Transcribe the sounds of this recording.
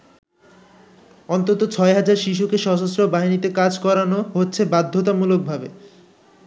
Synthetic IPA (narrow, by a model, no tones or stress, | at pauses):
ɔnt̪ot̪ot͡ɕʰɔeɦad͡ʑaɾʃiʃ̬ukeʃɔd͡ʑosɾobaɦinit̪ekad͡ʑkɔɾanoɦotːɕʰebad̪ʱːot̪̬amulok̚bʱabe